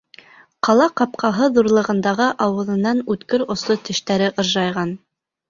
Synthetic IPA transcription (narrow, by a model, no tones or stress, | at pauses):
qɑlˠɑqɑp̚qʰɑɦɤðuɾlˠɤ̆ʁɤ̆nd̪ɑʁɤʔɑwɤ̆ðɤ̆nːɑnʉt̪kɘɾŏsˠot̪ɘ̆ʃt̪æɾɘʔɤ̆ɾʒɑjʁɑn